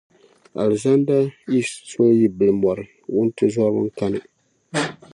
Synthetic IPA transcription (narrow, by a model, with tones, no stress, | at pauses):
a̰˨lza˦n˦da˦ji˦sto˦ji˦bɨ˨lmɔ˨ɾɨ˨ | wʊ˦n˦tɨ˦zɔ˦bɨ̰˦ŋ̩˦ka˦nɨ˨